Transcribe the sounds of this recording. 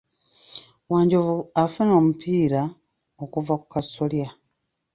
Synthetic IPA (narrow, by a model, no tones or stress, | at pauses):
waːɲɟovuafuno̞ːmupʰiːɾa | okuvaku̥kasolja